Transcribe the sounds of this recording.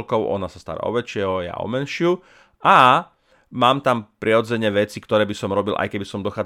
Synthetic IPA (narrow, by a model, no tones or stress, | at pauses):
lkɔʊʔɔ̰nasast̪a̰ɾa̰ɔ̰ʋɛt͡ʃɪɛɦɔja̰ʔɔ̰mɛnʃɪu | a | maːmt̪ampɾʔiɦɔd͡zɛɲɛʋɛt͡sikt̪ɔɾɛːbisɔmɾɔbilʔa̰jkɛbisɔmd̪ɔxaː